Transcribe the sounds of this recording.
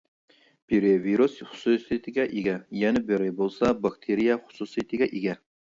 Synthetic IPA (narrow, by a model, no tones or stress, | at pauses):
pʰeɾeviɾusχʊ̥susɨjt̪ʰɪɡʲɛʔeɡʲɛjɛnɪbeɾɪbolˠsɑbɑkt̪ʰeɾijɛχʊ̥susɨjt̪ʰɪɡʲɛʔeɡʲɛ